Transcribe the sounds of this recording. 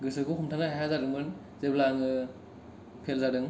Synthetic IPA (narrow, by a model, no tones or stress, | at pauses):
ɡɯsɯkukʰumtʰaŋahaɦazaɾɯŋbɯn | zeblaŋɯ | pʰelzadɯŋ